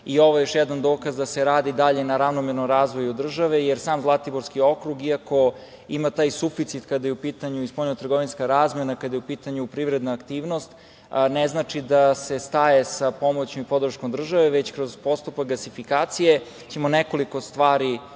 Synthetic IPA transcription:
io̞ʋojejo̞ʃjɛd̪and̪oːkazd̪aseɾaːd̪id̪aʎe̞naɾavnomeɾnomɾaːzʋo̞jud̪r̩ʒaʋejeɾsaːmzlˠat̪iboɾskio̞kɾuɡiako̞ | imat̪aːjsufit̪sit̪kad̪ajeupiːt̪aɲuispoʎɲot̪rɡo̞ʋinskaɾaːzmenakad̪ajeupiːt̪aɲupɾivɾed̪naːkt̪iːʋno̞st̪ | neznat͡ʃid̪ase̞st̪aje̞sapo̞mot͡ɕomipo̞d̪r̩ʃkomd̪r̩ʒaʋeʋet͡ɕkɾo̞zpo̞st̪upak̚ɡlasifikaːt̪sije | t͡ɕe̞mo̞neko̞liko̞st̪ʋaːɾi

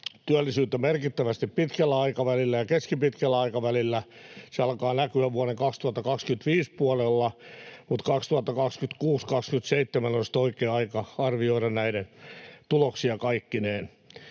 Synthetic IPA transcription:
t̪yælːisyːt̪ːæmerkit̪ːæʋæst̪ippit̪kælːæɑikɑʋælilːæjɑkeskipit̪kælːæɑikɑʋælilːæseɑlkɑːnækyæʋuoneŋkɑkst̪uhɑt̪ːɑkɑkskyt̪ʋiːspuɑlelːɑmut̪kɑkst̪uhɑt̪ːɑkɑkskyt̪kuːskɑkskyt̪seit̪ːemænonsi̥t̪oikeːɑikɑɑrʋioiɾɑnnæiɾent̪uloksiɑkɑikːineːn

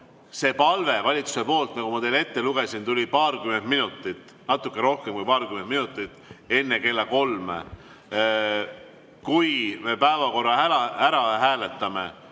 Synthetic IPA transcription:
se̞ːpɑlve̞vɑlʲit̪su̥se̞po̞ːlt̪nɑkɡumɑt̪e̞le̞t̪ːe̞luɡ̥e̞sint̪ulʲipɑːrkyme̞nd̪minut̪ːˑit̪ːˑ | nɑt̪ːˑukːˑeɾo̞hke̞mkujpɑːrkymend̪̚minut̪ːˑit̪ːˑe̞nːeke̞lːɑko̞lme | kujme̞pæevɑko̞rːɑæɑæɾɑɦæːle̞t̪ːˑɑme̞

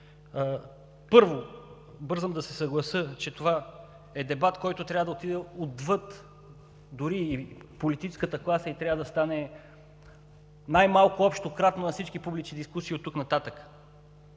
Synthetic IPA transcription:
pɤɾvo | bɤɾzəmd̪ɐsɛsɐɡlˠɐsɤt͡ʃɛt̪ova | ɛd̪ɛbat̪kɔjt̪ʊt̪ɾʲavəd̪ɐot̪id̪ɛod̪vɤt̪ | d̪ʊɾiːpolit̪it͡ʃɛ̥skət̪əklˠasəit̪ɾʲavəd̪ɐst̪anɛ | najmalˠkʊɔpʃt̪okɾat̪nonɐfsit͡ʃkipublit͡ʃnid̪iskusiot̪ːuknɐt̪at̪əkə̥

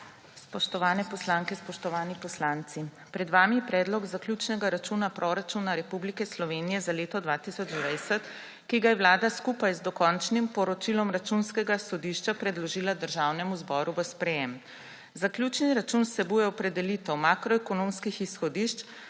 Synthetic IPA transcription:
spɔʃt̪ɔʋaːnɛpɔslaːŋkɛspɔʃt̪ɔʋaːnipɔslant̪si | pɾɛd̪ʋaːmiɛpɾɛːd̪lɔɡzakljut͡ʃnɛɡaɾat͡ʃunapɾʔɔɾat͡ʃunaɾɛpublikɛslɔʋeːnijɛzaleːt̪ɔd̪ʋat̪isɔd͡ʒd̪ʋɛjsɛt̪ | kiɡajɛʋwlaːd̪askupajzd̪ɔkɔnt͡ʃnimpɔɾɔt͡ʃilɔmɾat͡ʃunskɛɡasɔd̪iʃt͡ʃapɾɛd̪lɔʒiːlad̪əɾʒaːwnɛmuzbɔːɾuʋəspɾɛjɛm | zaklʲjut͡ʃniɾat͡ʃunsɛbuːjɛɔpɾɛd̪ɛlit̪ɛwmakɾɔɛkɔnõmskixisxɔd̪iʃt͡ʃ

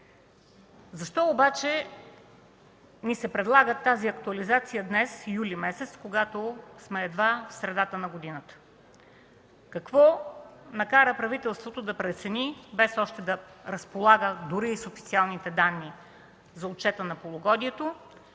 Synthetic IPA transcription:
zɐʃt̪ɔobat͡ʃɛ | nisɛpɾɛd̪lˠaɡət̪ːaziɐkt̪uɐlizat̪sijəd̪nɛsjulimɛsɛt̪skoɡat̪osmɛːd̪vafsɾɛd̪at̪ənɐɡod̪inət̪ə̥ | kɐkvɔnɐkaɾəpɾɐvit̪ɛlˠst̪vot̪od̪ɐpɾɛt̪sɛnibɛsɔʃt̪ɛd̪ɐɾəspolˠaɡəd̪uɾiːsofi̥t̪sialˠnit̪ɛd̪anːi | zɐot̪̚t͡ʃɛt̪ənɐpolˠoɡɔd̪iɛt̪o

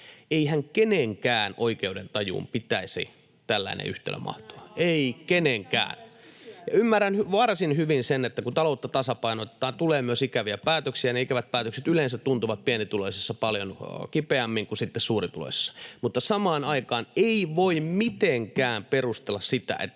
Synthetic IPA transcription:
eihæŋkeneŋkæːnoikeudent̪ɑjṵːmpit̪æisḭ | t̪ælːæ̰inḛy̰ht̪ḛːlːø̰mʔɑ̰ht̪oɑeikeneŋkæ̰ːnjɑ̰ymːærːænhyʋɑrsinhyʋinsenet̪ːækut̪ɑlout̪ːɑt̪ɑsɑpɑinot̪ːɑːnt̪uleːmyøsikæʋiæpæːt̪øksiæneikæʋæt̪̚pæːt̪økset̪ylensæt̪tunt̪uʋɑt̪̚piænit̪uloisesːɑpɑljonkipeæmːiŋkusit̪ːessuːrit̪ulo̰isːɑ̥mut̪ːɑsɑmɑːnɑikɑːneiʋoimmit̪eŋkæːmperust̪elːɑssit̪æ̰ʔḛt̪ː

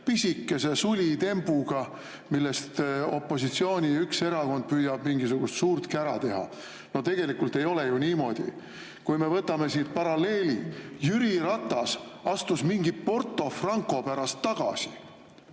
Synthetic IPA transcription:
pisikːe̞se̞sulʲit̪e̞mbuɡ̥ɑ | milːe̞st̪o̞̰pˑːo̞sit̪sio̞ːnʲiykse̞ɾɑko̞nd̪̥̚pyːjɑb̥miŋɡisuɡ̥ust̪suːrt̪kæɾɑt̪e̞ɦɑ̰ | no̞t̪e̞ɡ̥e̞likult̪e̞jo̞le̞juniːmo̞d̪̥ḭ | kujme̞vɤt̪ːˑɑme̞siːd̪̚pɑɾɑle̞ːlijyɾiɾɑt̪ːˑɑsɑst̪usmiŋɡipo̞rt̪ːˑo̞frɑŋko̞pæɾɑst̪ːɑɡ̥ɑ̰si̥

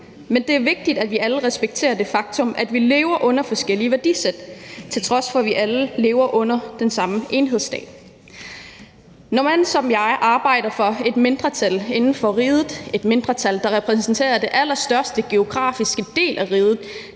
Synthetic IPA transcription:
mend̥e̝æɐʋe̝ɡ̥̚d̥id̥æd̥ʋiʔæləʁɛsb̥eɡ̥̚t͡sʰe̝̰ːɐd̥e̝fɑ̈ɡ̥̚t͡sʰɔ̽mʔæd̥ʋile̝ːʊɐʔɔ̽nɐfɒ̽sɡ̥el̰iəʋæɐd̥ised̥t͡sʰe̝lt͡sʰʁɒ̽sfɒ̽ʋiʔæləle̝ːʊɐʔɔ̽n̰ɐd̥ensɑ̈məʔe̝nɦe̝ð̞̰ˠsd̥ɛ̰̥ː | nɒmænsɒ̽mjɑ̈ɪʔɑ̈ːb̥ɑ̈ɪ̰ɾɐfɒ̽e̝d̥me̝nd̥ʁɐt͡sʰæle̝nn̩fɒ̽ʁiːð̞ˠð̩ˠe̝d̥me̝nd̥ʁɐt͡sʰæld̥ɑ̈ʁɛpʰʁɛs̬nsn̩t͡sʰe̝̰ːɐd̥e̝ʔælɐsd̥ɶɐsd̥əɡ̥e̝o̝ɡ̥ʁɑ̰̈ːfisɡ̥əd̥e̝̰ːlʔæʁiːð̞ˠð̩ˠ

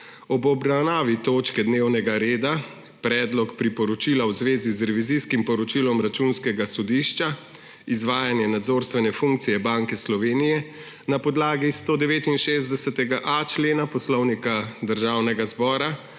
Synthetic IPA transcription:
ɔbɔbɾawnaːʋit̪oːt͡ʃkɛd̪newnɛɡaɾeːd̪a | pɾɛːd̪lɔkpɾipɔɾɔt͡ʃiːlawzʋeːzizɾɛʋiziskimpɔɾɔt͡ʃiːlɔmɾat͡ʃunskɛɡasɔd̪iːʃt͡ʃa | izʋaːjanjɛnad̪zoːɾst̪ʋɛnɛfuŋk̚t̪sijɛbaŋkɛslɔʋeːnijɛ | napɔd̪laːɡist̪oːd̪ɛʋeːt̪inʃeːzd̪ɛsɛt̪ɛɡaʔat͡ʃleːnapɔslɔwnikad̪əɾʒaːwnɛɡazbɔːɾa

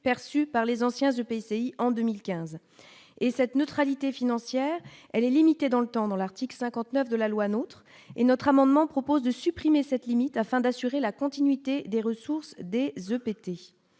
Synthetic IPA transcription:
pɛʁsypaʁlezɑ̃sjɛ̃zøpeseiʔɑ̃d̪ømilkʲɛ̃z | esɛt̪nøt̪χalit̪efinɑ̃sjɛʁɛlɛlimit̪ed̪ɑ̃lət̪ɑ̃d̪ɑ̃laʁt̪iklsɛ̃kɑ̃t̪nœfd̪əlalwanot̪χ | enɔt̪χamɑ̃d̪mɑ̃pχɔpozd̪əsypχimesɛt̪limit̪afɛ̃d̪asyʁelakɔ̃t̪inɥit̪ed̪eʁəsuʁsd̪ezøpet̪e

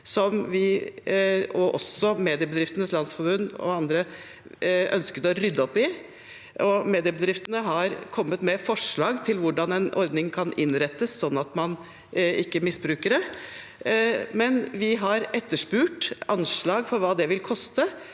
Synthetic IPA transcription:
sɔmʋɪ | ɔʔɔ̰sɔmeːd̪ɪəbəd̪ɾɪft̪ənəslɑnsfɔɾbʉnːɔ̰ɑnd̪ɾə | ʔœ̰nskət̪ɔɾʏd̪ːəɔpːɪ | ʔɔmeːd̪ɪəbəd̪ɾɪft̪ənəɦɑɾkʰɔmːət̪mɛfɔʂɭɑːɡt̪ʰɪlʋʊɖɑnɛnʔɔ̰ɾd̪nɪŋkʰɑnɪnɾɛt̪ːəssɔnːɑt̪mɑn | ɪkːəmɪsbɾʉːkəɖɛ | mɛnʋɪɦɑɾɛt̪ːəʂpʉːʈɑnʂɭɑːɡfɔɾʋɑːd̪ɛʋɪlkʰɔst̪ə

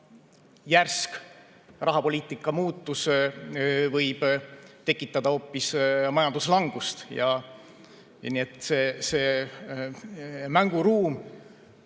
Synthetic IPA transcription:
jærsk | rɑɦɑpo̞lʲiːt̪ːˑikːˑɑmuːt̪ːˑus | vɤjb̥t̪e̞kːˑit̪ːˑɑd̪̥ɑo̞ːpːismɑjɑnd̪̥uslɑŋɡ̥ust̪jɑ | niet̪ːˑseseː | mæŋɡ̥uɾuːm

